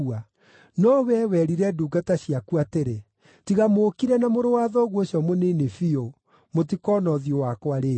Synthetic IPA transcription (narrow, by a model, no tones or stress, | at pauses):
a | nɔwɛwɛɾiɾɛduːɡataɕijakuateɾe | tiɣamoːkiɾɛnamoɾowaðɔɣwoɕjɔmonenefio | mot̬ikɔːnɔðijowakwaɾeː